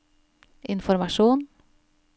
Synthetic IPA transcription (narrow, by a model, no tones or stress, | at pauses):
ʔɪnfɔɾmɑʃuːn